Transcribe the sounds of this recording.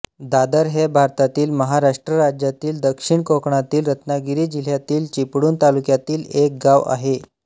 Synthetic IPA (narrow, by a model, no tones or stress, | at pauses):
d̪ad̪əɾɦebʱaɾt̪at̪iːlməɦaɾaʂʈɾəɾad͡ʑjat̪iːld̪əkʂiɳkokɳat̪iːlɾət̪naɡiɾiːd͡ʑil̤jat̪iːlt͡ɕipɽuːnt̪alukjat̪iːlek̚ɡaʋa̰ɦe